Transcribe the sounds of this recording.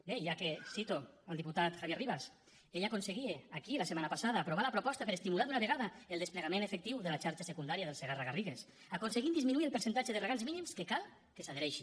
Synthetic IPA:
beʒakesit̪oalˠd̪iput̪at̪xaβjeriβas | eʎakonseɣieakilasemanapasaðaːpɾoβ̞alapɾopɔst̪apeɾest̪imulaðunaβeɣaðaelˠd̪espleɣamẽnefek̚t̪iwðelat͡ʃaɾt͡ʃasekund̪aɾiaðelˠseɣaraɣariɣes | akonseɣit̪d̪izminuielpeɾsent̪at͡ʃeðereɣanzminimskekalˠ | kesaðeɾɛʃi

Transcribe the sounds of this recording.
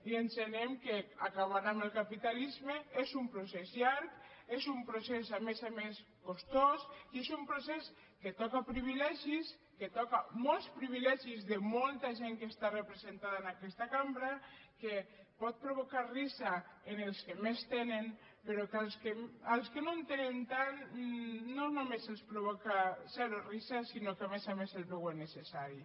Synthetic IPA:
iensenemkeakaβaɾnaməlˠkapit̪alizmeezumpɾosɛzjaɾk | ezumpɾosezamezames | kost̪osiezumpɾosɛs | ket̪ɔkapɾiβilɛʒis | ket̪ɔkamɔlˠspɾiβ̞ilɛʒizðemɔlˠt̪aʒeŋkest̪arepɾezent̪aðaenakɛst̪akambɾake | pɔt̪̚pɾoβokarisaenelˠskemest̪enen | peɾɔkalskealˠskenont̪enent̪an | nonumezelˠspɾoβɔkasɛɾorisasinokemezamezelβewenesesaɾi

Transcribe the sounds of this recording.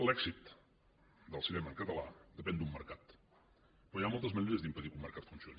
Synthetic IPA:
lɛɡzit̪ | d̪əlˠsinɛməːŋkət̪əla̰d̪əpɛnd̪umːəɾkat̪ | pɾɔjamɔlˠt̪əzməʒuɾiəzd̪impəðikumːəɾkat̪funsioni

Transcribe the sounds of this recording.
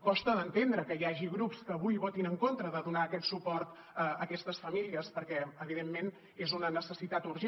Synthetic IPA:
kɔst̪əðənt̪end̪ɾəkəjaʒiɣɾupskəːβujβot̪inəŋkont̪ɾəðəðunaəkɛt̪supɔɾt̪ | əəkɛst̪əsfəmiliəspəɾkɛəβiðemːen | ezunənəsəsit̪at̪uɾʒe

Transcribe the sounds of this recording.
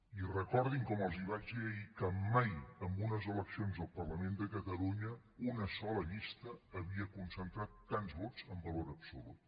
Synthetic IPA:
irəkɔɾðiŋkɔməlˠziβ̞ad͡ʒiəikəmajəmbunəzələksionzəlˠpərləmend̪əkət̪əluɲə | unəsɔləʎist̪əːβiəkunsənt̪ɾat̪ːanzβot͡səmbəloɾəpsulṵt̪

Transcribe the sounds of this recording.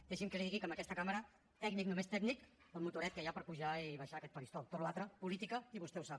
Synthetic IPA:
d̪ɛʃimkəsiɣikoməkɛst̪əkaməɾə | t̪ɛɡnik̚numest̪ɛɡnik | əlˠmut̪uɾɛt̪̚kəjapəɾpuʒaiβaʃakɛt̪pəlist̪ɔlt̪oluat̪ɾəpulit̪ikəiβust̪ɛuwsap

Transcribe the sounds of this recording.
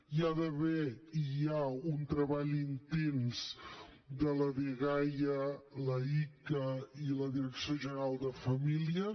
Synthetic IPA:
jaðəβɛijaunt̪ɾəβaʎint̪enz̥ | d̪ələðiɣajələikəiləðiɾəksioʒəɾalˠd̪əfəmiliə

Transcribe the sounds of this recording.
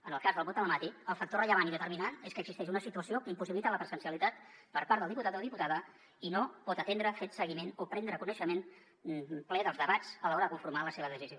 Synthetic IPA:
ənəlˠkazðəlˠβot̪ələmat̪iəlˠfək̚t̪orəʎəβaninðət̪əɾminant̪eskəːɡz̥ist̪ɛʃunəsit̪uəsiokəimpusiβilit̪ələpɾəzənsiəlit̪at̪pəɾpaɾt̪əlˠðiput̪at̪oðiput̪aðə | inopɔt̪ət̪end̪ɾəfet̪səɣimenopɾɛnd̪ɾəkunəʃəmen | plɛðəlˠzðəβat͡sələɔɾəðəkuɱfuɾmaləseβəðəsizio

